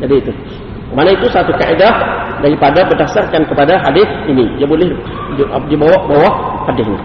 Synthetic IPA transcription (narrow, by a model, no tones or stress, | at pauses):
d͡ʒadiːt̪u | manait̪usat̪uka̰ʔedahdaɾipadabədasarkankəpadaɦadɪsinidiabolɛh | dibawaʔbawaʔhadɪhnḭ